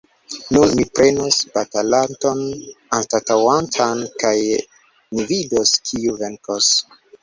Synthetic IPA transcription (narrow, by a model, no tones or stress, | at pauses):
numipɾe̞nosbatalanto̞nanstatawantʰankaj | nividoskʰiuve̞ŋkos